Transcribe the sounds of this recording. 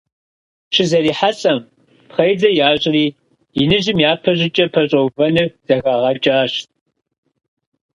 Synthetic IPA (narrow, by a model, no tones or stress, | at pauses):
t͡ʃʰɨzɐɾiːħat͡sʼɐm | pχɐjd͡zɐjaːɕʼɪriː | ɪnɨʑɪmjaːpʰɐʑɪt͡ʃʼɐpʰɐɕʼɐwvɐnɨz̥ɐɣaːʁɐt͡ʃʼaːɕtʼ